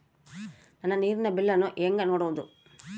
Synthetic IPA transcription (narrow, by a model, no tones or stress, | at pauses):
nɐnːɐniːɾɪnɐbilːɐnuʔeːŋɡɐnoːɽɐʋd̪ṵ